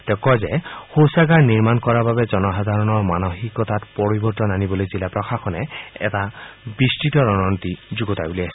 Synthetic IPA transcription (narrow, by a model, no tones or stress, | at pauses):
tɛkɔzɛhowsaɡaɹniɹmankɔɹababɛzɔnɔxadʱaɹɔnɔɹmanoxikɔtatpɔɹibɔɹtɔnanibɔlojzilapɹɔxakʰɔnɛɛ̰tabistitɔɹɔnɔntizuɡɔtajbulias